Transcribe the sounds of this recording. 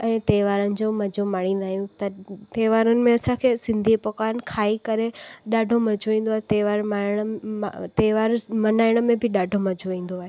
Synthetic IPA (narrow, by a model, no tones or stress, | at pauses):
ɛ̃ːt̪eːʋaːɾənɪ̆d͡ʑoːmɐd͡ʑʱomaːɽ̃ĩːn̆d̪aːɦijũt̪ɐt̪eːʋaːɾənɪ̆mẽɐsãkʰeːsɪ̃nd̪ʱipɐkaːnkʰaːikɐɾeɗaːɖʱomɐd͡ʑʱoʋĩːn̆d̪oaːɦet̪eːʋaːɾmaɽ̃t̪eːʋaːɾmɐnaːɪɽ̃əmẽbʱɪɗaːɖʱomɐd͡ʑʱoʋĩːn̆d̪oaːɦe